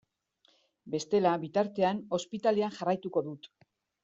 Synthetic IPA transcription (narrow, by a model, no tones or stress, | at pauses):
be̞st̪e̞laβit̪aɾt̪e̞ano̞spit̪aleanʝarajt̪uko̞ðut̪